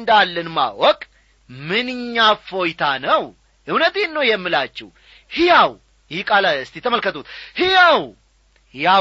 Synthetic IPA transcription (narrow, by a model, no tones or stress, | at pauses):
nd̪alːənma̰wɔkʼ | mɨnɨɲːafo̞jt̪ʰanəw | ʔɨwnət̪enːəwjɛmːɨlat͡ʃːɛ̰w | hɪjaw | jɪhkʼalaɨst̪ʰit̪ʰəməlkət̪ʰut̪hijaw | hɪja